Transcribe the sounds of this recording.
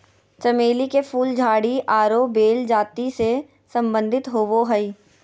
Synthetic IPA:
t͡ʃɐmeːlikefuːld͡ʒʱaːɽiʔaːɾobeːld͡ʒaːt̪ise | sə̃mbə̃nd̪ʱɪt̪ɦoːʋoɦəi

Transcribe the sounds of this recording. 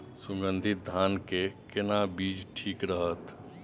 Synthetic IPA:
sʊ̃ŋɡə̃nd̪ʱɪt̪̚d̪ʱaːnkekɪnabiːd͡ʒʈʰiːkɾəɦət̪

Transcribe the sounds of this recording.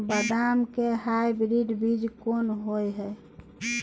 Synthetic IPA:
bəd̪amkeɦajbɾiɖbid͡ʒkonɦojɦɛ

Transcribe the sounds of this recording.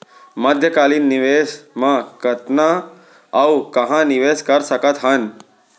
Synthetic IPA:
məd̪ʱjəkaːlinːɪʋesmãkət̪na | aukɐɦãnɪʋeːskəɾsəkət̪ɦən

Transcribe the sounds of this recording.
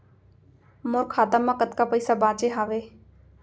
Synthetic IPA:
mʊɾkʰaːt̪amakət̪kaːpəɪsaːbãːt͡ʃeːɦaːʋeː

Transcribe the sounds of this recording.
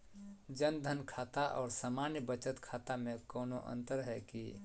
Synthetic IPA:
d͡ʒənd̪ʱənkʰaːt̪aʔɔ̰ːɾsaːmanjəbət͡ʃət̪kʰaːt̪amẽkɔːnoʔə̰̃nt̪əɾɦɛki

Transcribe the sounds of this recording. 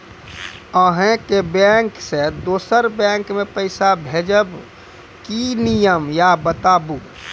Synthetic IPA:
əɦẽkebɛŋksed̪oːsəɾbɛ̃ŋkmepəɪsabʱed͡ʒəb | kinijəmjabət̪abu

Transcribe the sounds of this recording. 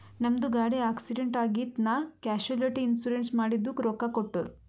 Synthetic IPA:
nɐmd̪uɡaːɽeaːksiɖeɳʈaːɡit̪naːkaːʃuɐlɐʈiːnsuɾeɳʈsmaːɽid̪ːukɾoːkakoʈːu

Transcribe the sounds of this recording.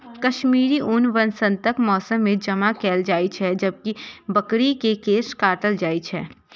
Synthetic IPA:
kɐʃmiːɾiʔʊnʋɐnsə̃nt̪əkmɔːsəmːẽd͡ʒɐmakɛːld͡ʒaːit͡ʃʰɦɛd͡ʒəb̚kibɐkɾikekeːskaːʈəld͡ʒaːit͡ʃʰɛː

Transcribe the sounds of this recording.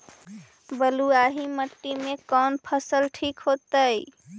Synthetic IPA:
bəluaɦiməʈːimekɔnpʰəsəlʈʰikɦot̪əj

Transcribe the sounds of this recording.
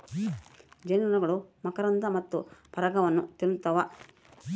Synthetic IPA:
d͡ʒenɐnɐɡɐɭumɐkɐɾɐnd̪ɐmɐt̪ːupɐɾɐɡɐʋɐnːut̪iɾnt̪ɐʋɐ

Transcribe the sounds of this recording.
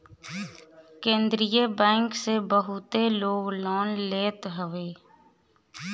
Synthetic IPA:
kẽːnd̪ɾijebɛ̃ːŋksebəɦʊt̪eloːɡlɔːnleːt̪ɦəʋeː

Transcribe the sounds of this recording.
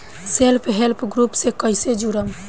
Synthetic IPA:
selpʰɦelpʰɡɾupsekəɪsed͡ʒuɾəm

